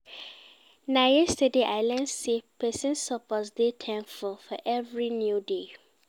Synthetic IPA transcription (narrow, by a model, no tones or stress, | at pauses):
najɛstədeʔaɪlɛ̃nsepʰɛsĩnsɔpɔsdetʰɛ̃nfɔfɔʔɛvɹinjude